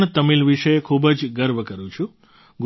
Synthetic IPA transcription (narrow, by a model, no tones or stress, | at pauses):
ɳt̪əmilʋiʃəekʰubəd͡ʒɡəɾʋəkəɾũt͡ʃʰũ | ɡ